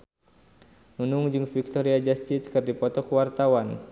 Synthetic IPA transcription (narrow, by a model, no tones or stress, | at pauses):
nunʊŋd͡ʒɨŋfik̚t̪ɔɾiad͡ʒast̪it̪kɨrdipɔt̪ɔkuwart̪awan